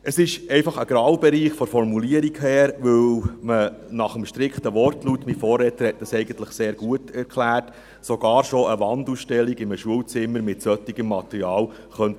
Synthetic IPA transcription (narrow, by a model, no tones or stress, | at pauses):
ʔəsɪʃɛɪfɑχəɡ̥ɾɑwbɛɾiːχfɔɾfɔrmuliəɾiɡhæːɾʋɵwmənɑχəmʃtɾɪkχt̪əʋɔrtlutmifɔːrːɛːt̪əɾhɛt̚d̥ɑsɛɪɡən̩t̪ləχseːɾɡ̥uətɛɾkχlæːrt | soɡ̥ɑːɾʃoəʋɑnd̪uːsʃtɛlːiɡɪməʃuəwt͡sɪmːəɾmɪtsœt̪ːiɡəmːɑt̪əɾiɑːl | χœnt